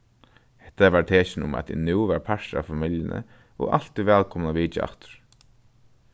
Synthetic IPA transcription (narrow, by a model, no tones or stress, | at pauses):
hɛ̥ht̪ːaʋaɹt̪ʰeːʃɪnʊ̰ma̰t̪̚d̪ḭnuːʋaɹpʰaʂta̰familjənə̰ | ɔ̰ɣa̰lt̪ɪʋɛːlkʰɔmnaʋiːt͡ʃa̰ʔa̰ht̪ʊ̥ɹ̥